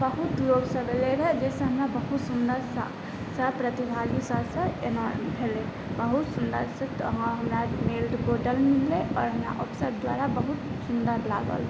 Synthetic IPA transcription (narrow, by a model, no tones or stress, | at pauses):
bəɦut̪loɡsə̃beleɾəɦɛd͡ʒɛsẽɦəmɾabəɦut̪sʊnd̪əɾsə̰ | səpɾət̪ibʱalisəsə̃enɔɾmbʱele | bəɦut̪sʊnd̪əɾsə̃t̪ɦɦəmɾameːld̪ɡoɖəlmilːeʔɔːɾɦəmɾa̰ʔɔpsəɾd̪wa̰ːɾabəɦut̪sund̪əɾla̰ːɡə̰l